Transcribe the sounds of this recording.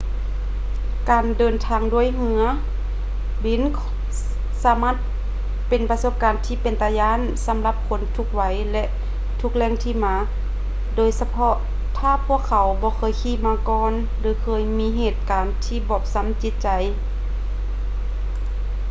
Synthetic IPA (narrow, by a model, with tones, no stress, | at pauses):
kaː˨˩ndɤː˨˩nt̪ʰaː˧ŋdu˧˩əjhɯ˧ɐ | bi˨˥n | saː˨˧˦maː˧˥˩t̪̚ | pe˨npa˧so˧˥p̚kaː˨nt̪ʰiː˧˨pe˨nt̪aː˧jaː˧˥˨n | sa˨˧˦mla˧p̚kʰo˨˩˦nt̪ʰu˧k̚wa˨˦jlɛ˧ʔ | t̪ʰu˧˥k̚lɛː˧˩ŋt̪ʰiː˧˨maː˧ | doː˨jsa˧pʰɔ˧ʔ | t̪ʰaː˧˨pʰu˧˥˨əkʰːa˨˩wbɔː˧˦kʰɤː˧˥˨jkʰiː˧˩˨maː˧kɔː˧n | lɤː˧˩˦kʰɤː˧˥jmiː˧˥˨ɦeː˧˩t̪̚kaː˨nt̪ʰiː˧˨bɔː˧˩p̚sa˧˥mt͡ɕi˧˥t̪̚t͡ɕa˨˩j